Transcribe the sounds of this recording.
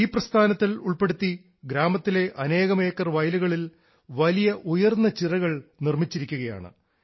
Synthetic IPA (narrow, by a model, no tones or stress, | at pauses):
iːprɐst̪ʰaːnɐt̪ːiluɭpe̞ɽut̪ːi | ɡɾaːmɐt̪ːile̞ʔɐne̞ːɣɐme̞ːkːɐrʋɐjluɣɐɭil | ʋɐlijɐʔujɐrnːɐt͡ɕirɐɣɐɭnirmit͡ɕːiɾikʲːuɣɐja̰ːɳɨ̰